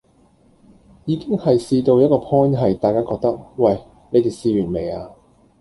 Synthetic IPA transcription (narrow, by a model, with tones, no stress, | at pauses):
jiː˨˧kɪ˥ŋhɐ˨jsiː˧t̪o˧wjɐ˥t̚kɔː˧pʰɔː˥nɦɐ˨jt̪aː˨jkaː˥kɔː˧k̚t̪ɐ˥k̚wɐ˨˩j | ne˨˧jt̪iː˨˩siː˧ɥyː˨˩nme˨˩jaː˧